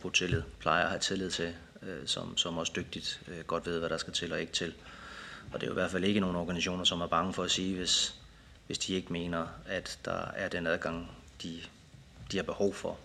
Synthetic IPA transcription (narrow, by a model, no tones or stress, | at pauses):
b̥ʰot͡sʰe̝lið̰ˠpʰlɑ̈ɪɐɒhæt͡sʰe̝lið̰ˠt͡sʰe̝ | øsɒ̽msɒ̽mɒ̽sd̥øɡ̥̚d̥id̥øɡ̥ɒ̽d̥ʋe̝ð̰ˠʋæɾ̥ɑ̈sɡ̥æt͡sʰe̝lɒ̽e̝ɡ̥ə̥t͡sʰe̝l | ɒ̽d̥e̝j̰iʋæɐd̥fæle̝ɡəno̝ːn̩ɒɡ̥æniɕo̝̰ːnɐsɒ̽mæɐb̥ɑ̈ŋəfɒ̽æsiːʋe̝s | ʋe̝sd̥ie̝ɡ̥əme̝̰ːnɐæd̥ːɑ̈æɐd̥enæð̞ˠɡ̥ɑ̈ŋ̰d̥i | d̥ihɑ̈b̥e̝hɒʊ̰fɒ